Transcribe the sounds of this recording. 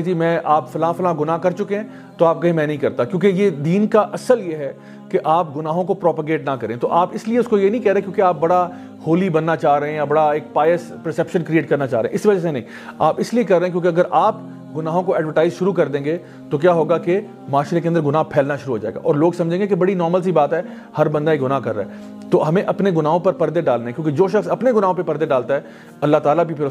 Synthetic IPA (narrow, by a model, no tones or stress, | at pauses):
d͡ʒiːmɛ̃ːʔaːpfɐlãːfɐlãːɡʊnaːkɐɾt͡ʃʊkeɦɛ̃ | t̪oaːp̚kɐɦẽmɛ̃ːnɐɦĩkɐɾt̪akjõːkejed̪iːnkaʔɐsəljeɦɛ | keʔaːp̚ɡʊnaːɦõkopɾɔːpəɡeːʈnakɐɾẽt̪oʔaːpɪslieʊskojenɐĩkɛɦɾẽkjõːkeaːp̚bɐɽa | hoːlibɐnːat͡ʃaːɦɾɐɦẽjabɐɽaeːk̚paːjəs | pɛɾsɛpʃə̃nkɾieːʈ̚kɐɾnat͡ʃaːɾəẽʔɪsiʋɐd͡ʒasenɐɦĩ | a̰ːpɪsliekɐɾːẽːɛ̃kjõːkeɐɡəɾʔaːp | ɡʊnaːɦõkoɛːɖʋəɾʈaːɪzʃʊɾukɐɾd̪ẽːŋɡe | t̪ok̬jaːɦoːɡake | maːʃɾekẽɐnd̪əɾɡʊnaːɦpʰɛːlnaʃʊɾuɦoːd͡ʒaːḛːɡa̰ʔɔːɾloːɡsɐ̃md͡ʒʱẽːŋɡekebɐɽinɔːɾməls̬ibaːt̪ɦɛː | hɐɾbɐ̃nd̪aekɡʊnaːkɐɾːaɦɛː | t̪oːɦɐmẽʔɐpneɡʊnaːɦõpɐɾpɐɾd̪eɖaːlneẽɛkjõːked͡ʒoːʃ̬ɐxsɐpneɡʊnaːɦõpepɐɾd̪eɖaːlt̪aɦɛː | ɐlːaɦt̪aːlabʱipʰɪɾ